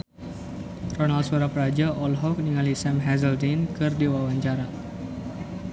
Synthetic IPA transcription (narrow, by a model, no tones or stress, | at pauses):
rɔnald̪̚suaɾapəɾad͡ʒaʔɔlɦɔk̚niŋalisɛmɦɛzəldinkɨrdewawaɲt͡ʃaɾa